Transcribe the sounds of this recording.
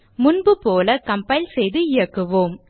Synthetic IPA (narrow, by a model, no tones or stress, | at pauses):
mʊnbɯpoːlɐkɐmpɐɪlsɛjðɯɪɻɐkːɯʋoːm